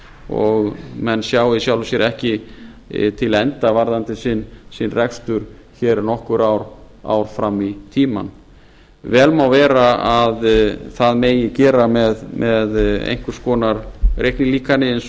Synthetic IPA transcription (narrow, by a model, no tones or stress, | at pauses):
ɔɣmɛnːsjaːwɪisjaːwlʏsjɛɾʔɛhcɪ | t̪ʰɪlɛnt̪avaɾðant̪ɪsɪnsɪnrɛkst̪ʏɾ̥ | çɛːɾnɔhkʏɾawɾ | a̰wɾ̥fɾamːit̪ʰiːma̰n | vɛːlmawvɛːɾaaðθaðmeːjɪcɛːɾamɛðmʔɛðḛjŋ̥kʏɾ̥skɔːnaɾrejhknɪliːkanɪɪns